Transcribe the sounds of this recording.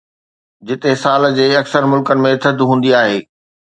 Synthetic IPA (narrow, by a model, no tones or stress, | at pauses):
d͡ʑɪt̪esaːld͡ʑeːɐksəɾmʊlkənɪ̆mẽt̪ʰɐd̪ɦũːnd̪iaːɦeː